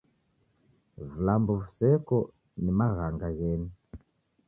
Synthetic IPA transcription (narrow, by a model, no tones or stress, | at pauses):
vulambuvusɛkɔ | nimaɣaŋɡaɣɛːni